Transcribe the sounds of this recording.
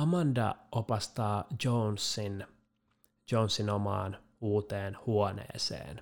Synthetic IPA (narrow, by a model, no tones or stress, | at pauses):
ɑmɑndɑ̰opɑst̪ɑːd͡ʒounsːin | jounsinomɑ̰ːn | uːt̪eːnhuonḛːsḛːn